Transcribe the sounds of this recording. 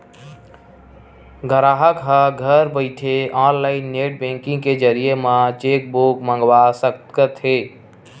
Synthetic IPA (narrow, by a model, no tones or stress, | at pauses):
ɡʱəɾaɦəkɦəɡʱəɾbəɪt̪ʰeãnlaɪnːeʈbẽŋkĩŋɡked͡ʒəɾijemãt͡ʃek̚bokmə̃ŋɡwasəkt̪kət̪ɦe